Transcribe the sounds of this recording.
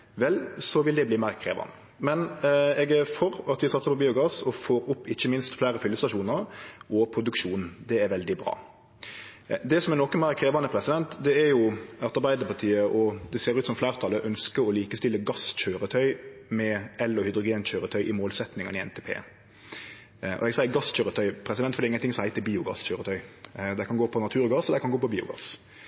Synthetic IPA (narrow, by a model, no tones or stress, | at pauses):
ʋɛlsɔʋɪld̪ɛbliːmæːɾkʰɾḛːʋɑ̰nə | mɛnɛɡɛɾfɔɾɑt̪ʋɪsɑt̪səpʰɔbiːʊɡɑsɔfoːɾʊpːɪçːəmɪnst̪flæːɾəfʏlːəst̪ɑʂuːnəɾɔpʰɾʊd̪ʉkʃuːn̩d̪ɛæɾʋɛld̪ɪbɾɑ̰ː | d̪ɛsɔmɛnɔkːəmæɪkʰɾeːʋɑnəpʰɾɛsɪd̪ɛnt̪d̪ɛæɾjʊɑt̪ɑɾbæɪd̪əpʰɑt̪ʰiːəʔɔd̪ɛseːɾʉːt̪sɔmflæːɾt̪ʰɑləʔœnskəɾɔliːkəst̪ɪlːəɡɑsçøːɾət̪ʰœʏmɛɛlɔhʏd̪ɾʊɡeːnçøːɾət̪ʰœʏʔɪmoːlsɛt̪nɪŋənɪɛ̰nt̪ʰɛːpʰḛː | ʔɔ̰ɛɡsæɪəɡɑsc͡çøːɾət̪ʰœʏpʰɾɛsɪd̪ɛnt̪fɔɾd̪iɪŋːənt̪ɪŋsɔhæɪt̪əbiːʊɡɑ̰sçøːɾət̪ʰœʏd̪æɪkʰɑnɡoːpʰɔnɑt̪ʰʉːɾɡɑsɔd̪æɪkʰɑnɡoːpɔbiːʊ̰ɡɑ̰s